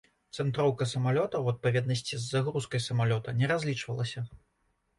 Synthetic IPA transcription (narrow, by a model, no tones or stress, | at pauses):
t̪sɛnt̪ɾɔwkɐsɐmalʲɔt̪ɐwɐt̪̚pavʲjɛd̪nɐsʲt͡sʲizːaɣɾuskɐjsɐmalʲɔt̪ɐnʲɛɾazʲlʲit͡ʂvɐlˠɐsʲɐ